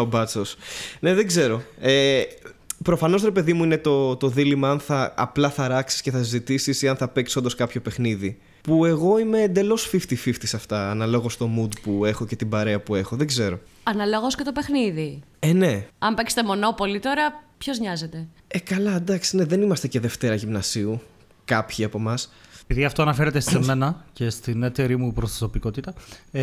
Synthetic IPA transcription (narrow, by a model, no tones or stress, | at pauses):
obɐt͡so̞sne̞ðe̞ɡze̞ɾo̞e | pɾo̞fɐno̞s̬ɾe̞pe̞ðimuinet̪o̞t̪o̞ðilimɐɐnθɐ̰ːplɐθɐɾɐksi̥sceθɐsizit̪isisiɐnθɐpe̞kso̞nd̪o̞skɐpço̞pe̞xniði | pue̞ɣo̞ime̞ːnd̪e̞lo̞sfift̪ifift̪isɐft̪ɐːnɐlo̞ɣo̞st̪o̞mud̪pue̞xo̞ce̞t̪ibɐɾeɐpue̞xoðeɡze̞ɾo̞ɐnɐloɣosce̞t̪o̞pexniði | eneɐmbekse̥t̪emo̞no̞po̞lit̪o̞ɾɐpço̞zɲɐze̞t̪e̞ | ekɐlɐd̪ɐksine̞ðe̞nimɐst̪ece̞ðe̞ft̪e̞ɾɐʝimnɐsiu | kɐpçiɐpo̞mɐspiðiɐft̪oɐnɐfe̞ɾet̪esseme̞nɐce̞st̪ine̞t̪e̞ɾimupɾost̪ɐsopiko̞t̪it̪ɐ